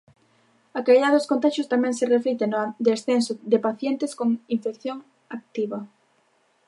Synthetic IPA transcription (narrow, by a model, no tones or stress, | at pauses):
ɐkaliðaðʊskont̪aʃjʊst̪amɛ̃ŋsereflet̪eŋnʊd̪esθensod̪epaθjent̪ɪskoŋiɱfekθjoŋ | ak̚t̪iβɐ